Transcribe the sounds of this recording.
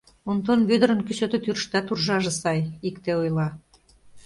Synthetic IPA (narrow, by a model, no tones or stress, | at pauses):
unt̪onβød̪əɾə̆nkysøt̪et̪yɾʃt̪ɑt̪urʒɑʒĕsɑjikt̪eojlɑ